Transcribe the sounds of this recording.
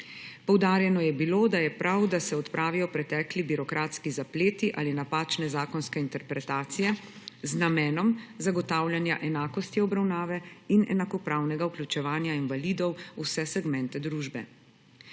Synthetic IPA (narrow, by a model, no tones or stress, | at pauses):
pɔwd̪aːɾjɛnɔjɛbiloːd̪ajɛpɾawd̪asɛɔt̪pɾʔaːʋijɔpɾɛt̪ɛːklibiɾɔkɾaːt̪skizapleːt̪iʔa̰ːlinapaːt͡ʃnɛzaːkɔnskɛint̪ɛɾpɾɛt̪aːt̪sijɛ | znamɛːnɔmzaɡɔt̪aːwlʲjanja̰ʔɛnaːkɔst̪iɔbɾawnaːʋɛinɛ̰nakɔpɾaːwnɛɡauklʲut͡ʃɛʋaːnjainʋalid̪ɔwusɛsɛɡmɛnt̪ɛd̪ɾuːʒbɛ̰